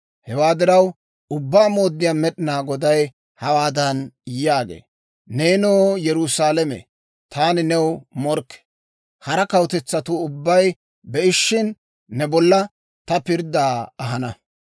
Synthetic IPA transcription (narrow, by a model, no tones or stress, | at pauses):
hɛwaːd̪ɪɾɐw | ʊbːaːmo̞ːd̪ːɪjaːmɛɗɪnaːɡɔd̪ɐj | hɐwaːd̪ɐnjːaːɡḛː | neːnoːjɛɾʊsaːlɛmɛ̰ | t̪ʰaːnɪnɛwmɔɾkːɛ̥ | hɐɾɐkɐwt̪ɛt͡sːɐt̪ʊʊbːɐj | bɛʔɪʃːɪnː | ɛbɔlːɐ | t̪ɐpɪɾd̪aːɐɦɐnɐ